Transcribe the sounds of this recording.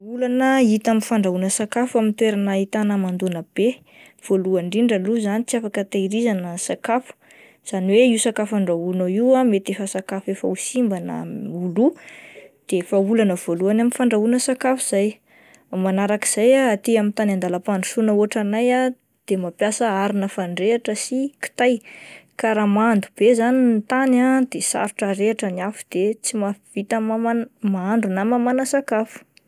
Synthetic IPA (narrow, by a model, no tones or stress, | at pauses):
ulanəit̪aminfaɳɖ͡ʐaunəsakafuamint̪weɾanəit̪anəmand̪unəb̥e | v̥oluaɳɖ͡ʐiɳɖ͡ʐaluzanit͡siafakət̪aiɾizanəsakafu̥ | z̥aniweiwsakafaɳɖ͡ʐaunəiwamet̪efasakafefausimbanə̰ulu | d̪̥efaulanəv̥oluanaminfaɳɖ͡ʐaunəsakafuz̥aj | manaɾaki̥z̥ajaat̪iamint̪anand̪alapaɳu̥sunəuaʈ͡ʂanaja | d̪̥emapjasəaɾinəfaɳɖ͡ʐeaʈ͡ʂəsiki̥t̪ajkaɾamand̪ub̥ezanint̪anad̪esa̰ɾuʈ͡ʂəɾeaʈ͡ʂənafu̥d̪̥et͡simavit̪əmaanmaaɳɖ͡ʐunamamanəsakafu̥